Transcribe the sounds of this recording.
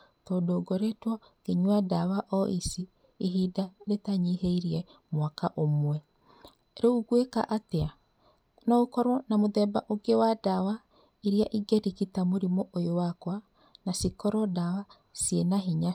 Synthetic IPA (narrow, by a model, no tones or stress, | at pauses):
tɔdoɡɔɾetwɔ | ɡ̥eɲwadawaʔɔʔisiː | ɦidaɾetaɲiɦeiɾiɛ | mwakaʔomwɛ | ɾeuɡweka̰ʔatea | nɔokɔɾwɔnamoðɛba̰ʔoɡewadawa | iɾiaʔiɡeɾikitamoɾimɔʔojowakwa | nasikɔɾɔdawa | sienaɦiɲa